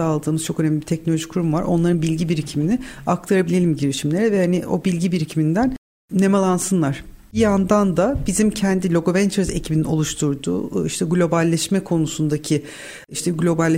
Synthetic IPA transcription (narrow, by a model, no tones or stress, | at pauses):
alˠd̪ɯːmɯzt͡ʃʰo̞kø̞næmlʲibit̪ʰɛcnolʲoʒikʰuɾumvaɾo̞̰nlˠaɾɯnbilʲɟibiɾicʰiminɪak̚t̪ʰaɾabilʲe̞lʲimɟeɾiʃimlʲe̞ɾɛvɛhanio̞̰bilʲɟibiɾicʰimind̪æn | nemalˠansɯnlˠaɾ̥ | biand̪and̪abizimcʰɛnd̪ilʲo̞ɡo̞vɛnt͡ʃʰeɾze̞cʰibinio̞lˠuʃt̪ʰuɾd̪ṵːiʃt̪ʰɛɡlʲo̞balʲːɛʃmɛkʰo̞nusund̪acʰi | iʃt̪ʰɛɡlʲo̞balʲː